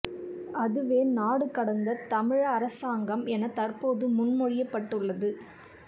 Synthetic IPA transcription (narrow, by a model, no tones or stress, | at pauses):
ɐðɯʋeːnaːɽɯkːɐɽɐnd̪ɐt̪ɐmɪɻɐːɾɐsaːŋɡɐmɛnɐt̪ɐrpoːðɯmʊnmɔɻɪjɐpːɐʈːɯɭːɐðɯ